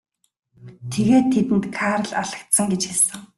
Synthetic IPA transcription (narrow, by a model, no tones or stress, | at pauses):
t̪ʰeɣeːt̪ʰːet̪ɘ̆nt̪kʰaːɾə̆ɮaɮə̆kt̪sə̆ŋɡet͡ɕxaɮsə̆ŋ